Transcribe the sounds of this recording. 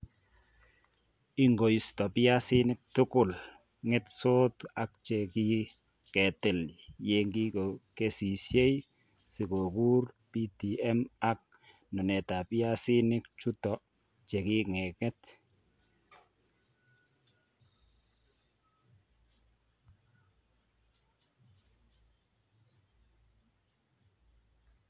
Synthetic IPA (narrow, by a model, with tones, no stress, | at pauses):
ɪ˦ŋɡo˨stɔ˨pɪ˦a˦sɪ˦nɪ˦k̚tʊ˦kʊ˦˨l | ŋɪ˦tso˦ta˨k̚t͡ʃɛ˨ki˦ | kɛ˨tɛ˨lje˦ŋɡi˦ko˨ke˦si˨sje˦j | sɪ˨ko˨ku˦r | pi˦ti˨ɛ˦ma˦k̚ | nʊ˨nɛ˨ta˨pɪ˦a˦si˦nɪ˦k̚t͡ʃu˦tɔ˨ | t͡ʃɛ˨ki˦ŋɛ˨kɛ˦t